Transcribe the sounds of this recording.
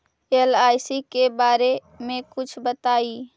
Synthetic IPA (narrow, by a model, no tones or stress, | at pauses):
elajsikebaɾe | mekut͡ʃʰbət̪ai